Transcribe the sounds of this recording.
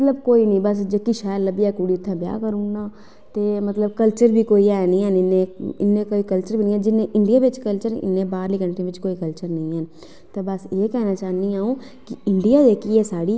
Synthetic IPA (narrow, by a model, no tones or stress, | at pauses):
mət̪ləbkoːiːnə̃ĩbəsd͡ʒekːiʃaːjəɾləbiaːkuːɽiːʊt̪ʰːãːbja̰ːkəɾũːnaː | t̪eːmət̪ləbkəlt͡ʃəɾbʱiːkoːiːɛːnəĩːɦənɪnːẽːɪ̰nːẽːkoːiːkəlt͡ʃəɾbʱiːnəĩːɛ̃d͡ʒɪnẽːʔɪɳɖijaːʋɪt͡ʃkəlt͡ʃəɾɪ̰nːẽːbaːɾliːkəɳʈĩʋɪt͡ʃkoːiːkəlt͡ʃəɾnəĩːɦən | t̪eːbəseːkɛːnaːt͡ʃaːnĩaːũː | kɪɪɳɖijaːd͡ʒeːkiɛːsaːɽiː